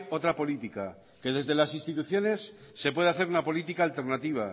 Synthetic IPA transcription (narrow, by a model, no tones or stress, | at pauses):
o̞t̪ɾapo̞lit̪ika̰ | ke̞ðe̞zðe̞lasinst̪it̪uθjo̞ne̞sːe̞pwe̞ð̞eaθe̞ɾunapo̞lit̪ikaːlt̪e̞ɾnat̪iβ̞a̰